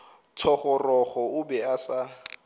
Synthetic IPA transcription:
tʰɔχɔrɔχɔʊbɛasa

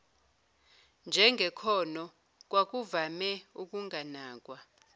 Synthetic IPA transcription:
nd͡ʒʱɛŋɡʱɛkʰɔnɔ | k̬ʼwak̬ʼuvamɛuk̬ʼuŋʱanaːk̬ʼwa

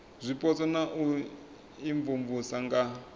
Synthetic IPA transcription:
zʷipɔt͡sɔnaʔu | iɱvumvusaŋɡa

